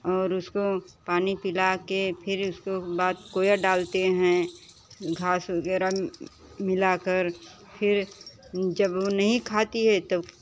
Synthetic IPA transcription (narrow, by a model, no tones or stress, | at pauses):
ɔːɾʊskopaːnipɪlakepʰɪɾʊskobaːt̪̚koːjaɖaːlt̪eɦɛ̃ | ɡʱaːsʋɐɡɛːɾa | mɪlakəɾ | pʰɪɾ | d͡ʒəbʋonɐɦĩkʰaːt̪iɦɛt̪o